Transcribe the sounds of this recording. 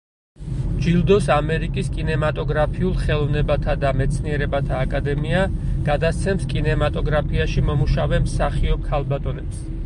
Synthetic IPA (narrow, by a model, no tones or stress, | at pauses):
d͡ʒilˠd̪ɔsamɛɾikʼiskʼinɛmat̪ʼɔɡɾapʰiulˠχɛlˠɔvnɛbat̪ʰad̪amɛt̪sʰniɛɾɛbat̪ʰaːkʼad̪ɛmiaɡ̥ad̪ast̪sʰɛmskʼinɛmat̪ʼɔɡɾapʰiaʃimɔmuʃavɛmsaχiɔp̚kʰalˠbat̪ʼɔnɛps